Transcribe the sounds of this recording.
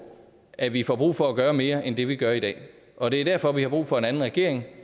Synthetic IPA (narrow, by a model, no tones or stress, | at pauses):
ʔæʋifɒb̥ʁṵːfɒ̽æɡ̥ɶːɐme̝ːɐʔend̥e̝ʋiɡ̥ɶɐid̥ɛ̰ː | ʔɒ̽d̥e̝æd̥æɐ̰fɒ̽ʋihɑ̈b̥ʁṵːfɒ̽e̝næn̩ʁɛɡ̥e̝̰ɐ̰eŋ